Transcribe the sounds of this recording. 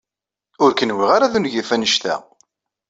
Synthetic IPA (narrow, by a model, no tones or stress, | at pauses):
ʊɾkənwiʁaɾaðunʝifænəʃt̪æ̰